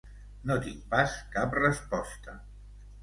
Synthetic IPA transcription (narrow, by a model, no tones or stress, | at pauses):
not̪iŋpaskaprəspɔst̪ə